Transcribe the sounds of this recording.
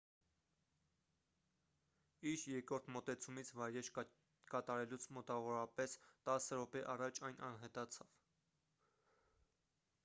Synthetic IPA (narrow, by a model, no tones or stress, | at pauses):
iɾjɛɾkɾɔɾt̪ʰmɔt̪ɛt͡sʰumit͡sʰvɑjɾɛɾ | kɑt̪ɑɾɛlut͡sʰmɔt̪ɑvɔɾɑpɛst̪ɑsəɾɔpɛʔɑrɑt͡ʃʰɑjnʔɑnɦɛt̪ɑt͡sʰɑv̥